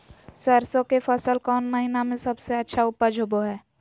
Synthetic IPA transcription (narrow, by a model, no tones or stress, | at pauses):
səɾsõkefʰɐsəlkɔːnməɦinamẽsɐbseɐtːʃʰaʊpːəd͡ʒʱʊboɦɛː